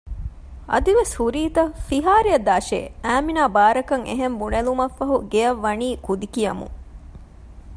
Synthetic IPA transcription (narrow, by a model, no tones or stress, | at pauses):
ʔɐ̰d̪iʋeshuɾiːt̪ɐfiɦaːɾiɐd̪aːʃḛːæːminaːbaːɾɐkɐŋḛɦembunelumɐfːɐɦuɡeɐʋːɐniːkud̪ikijɐmṵŋ